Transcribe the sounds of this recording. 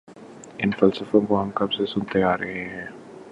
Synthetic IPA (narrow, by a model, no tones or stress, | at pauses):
ɪnfɐlsəfõkoɦɐmkɐbsesʊnt̪eaːɾɐɦeɦɛ̃ː